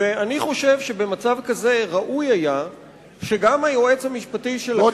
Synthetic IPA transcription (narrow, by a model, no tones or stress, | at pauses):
eaniχo̞ʃe̞vʃe̞be̞mat͡savkaze̞ʁaʔujaja | ʃe̞ɡamajoe̞t͡shamiʃpatiʃel